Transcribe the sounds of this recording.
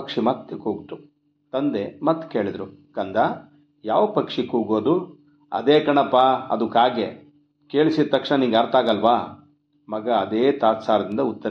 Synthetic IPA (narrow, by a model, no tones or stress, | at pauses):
kʂimɐt̪ːekoːɡt̪u | t̪ɐnd̪emɐt̪ːke̞ːɭid̪ɾukɐnd̪a | jaːʋɐpɐkʂikuːɡoːd̪u | ɐ̰d̪eːkɐɳɐpːaɐ̰d̪ukaːɡe | keːɭisit̪ɐkʂnɐniːɡɐɾt̪aːɡɐlʋaː | mɐɡɐːd̪eːt̪aːt̪saːɾɐd̪ind̪ɐut̪ːɐɾ